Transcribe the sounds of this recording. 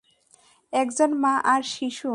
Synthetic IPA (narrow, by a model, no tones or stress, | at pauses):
ɛkd͡ʑonmãʔaɾʃiʃu